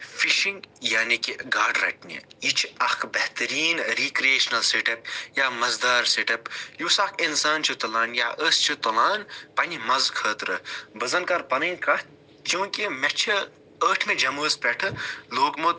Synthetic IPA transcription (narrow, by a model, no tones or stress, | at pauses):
fiʃiŋɡjaːnikiɡaːɾɖɾɐ̰ʈ̚nʲḛit͡ʃʰɐkʰbɐht̪ɐɾiːnɾikɾieːʃnɐlseʈɐp̚jaːmɐzd̪aːɾseʈɐpjusɐkʰinsaːnt͡ʃʰut̪ɐlaːnja̰ːʔəst͡ʃʰut̪ɐlaːnpɐnimɐzkʰəːt̪ɾɨbɐzɐnkɐɾpɐnɐnʲkɐ | t͡ʃũːkimɛt͡ʃʰi | əːʈʰmed͡ʒɐməːspɛʈʰɨloːkmot̪̚